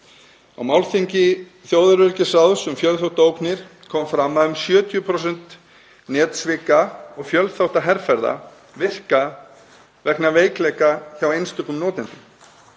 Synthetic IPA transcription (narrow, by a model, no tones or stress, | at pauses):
a̰wmawlθiɲcɪ | θjoːwðʏɾʏɾcɪsawðsʏmfjœlθowht̪oːwknɪɾ̥kʰɔmfɾamːaðʏmsjœːt̪ʰiʏpʰɾowsɛn̥t̪ | nɛːt̪svɪkaɔɣfjœlθawht̪aɦɛɾfɛɾða̰ | vɪh̪ka | vɛknaveːjklɛkaθjawejnst̪ʏkːʏmnɔːt̪ɪnt̪ʏm